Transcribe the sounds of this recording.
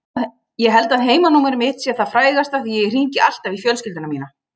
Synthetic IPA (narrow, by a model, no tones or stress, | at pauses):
jɛɦɛlt̪aðɦeːjmanuːmɪɾmɪt̪sjɛ̥θaðfɾaːjɣast̪aθijɛɛr̥iɲcɪʔal̥t̪avifjœːls̬cɪlt̪ʏnamiːna